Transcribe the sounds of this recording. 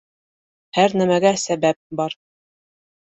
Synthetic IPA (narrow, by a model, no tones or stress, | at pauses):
hæɾnæmæɡæsæbæp̚bɑɾ